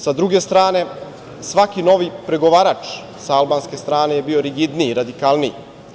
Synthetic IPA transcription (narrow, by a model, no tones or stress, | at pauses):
sad̪ɾuɡe̞st̪ɾaːne̞ | sʋakino̞ʋipɾe̞ɡo̞ʋaːɾat͡ʂ | saalbaːnskest̪ɾaːne̞je̞bio̞ɾiɡid̪niɾad̪ikalˠnij